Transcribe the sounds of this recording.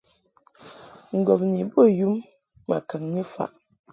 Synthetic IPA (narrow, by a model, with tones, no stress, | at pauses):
ŋ̩˨ɡɔ˨p̚ni˨bo˦˨ju˦mː | a̰˨ka˨ŋɲi˦fa̰˨ʔ